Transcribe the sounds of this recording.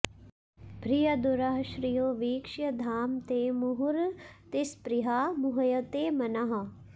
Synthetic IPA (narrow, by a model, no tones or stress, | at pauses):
bʱɾijɐd̪uɾɐɦɐʃɾijoːʋiːkʂjɐd̪ʱaːmt̪eːmuɦuɾt̪ispɾiɦaːmuɦɐjɐt̪eːmɐnɐɦɐ̆